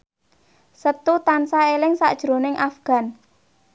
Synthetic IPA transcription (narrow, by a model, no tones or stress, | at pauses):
sət̪ut̪ansaelɪŋsa̰ʔd̥ʒ̥ɾo̤nɪŋʔafɡ̥a̤n